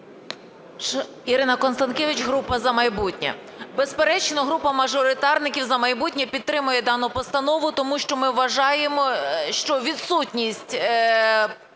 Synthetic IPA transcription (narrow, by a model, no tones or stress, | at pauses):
iɾɪnɐkɔnst̪ɐnkʲɛʋɪt͡ʃɦɾupɐzɐmɐjbutʲnʲɐ̰ | bespeɾɛt͡ʃnɔɦɾupɐmɐʒɔɾɪt̪ɑrnɪkʲiwzɐmɐjbutʲnʲɐpʲid̪̚t̪ɾɪmʊjɛd̪ɑnʊpɔst̪ɐnɔʋʊt̪ɔmuʃt͡ʃɔmɪʋːɐʒɑjemɔʃt͡ʃɔʋʲid̪sutʲnʲisʲtʲ